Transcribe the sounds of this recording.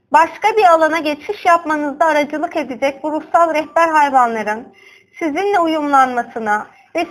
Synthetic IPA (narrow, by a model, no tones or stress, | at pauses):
baʃkabiɾalˠanaɟet͡ʃmiʃjapmanɯzd̪aːɾad͡ʒɯlˠɯke̞d̪id͡ʒɛc̚ʲbuɾusalˠɾɛhbæɾɦajvanlˠaɾɯn | sizinlʲɛujumlˠanmasɯna | vɛ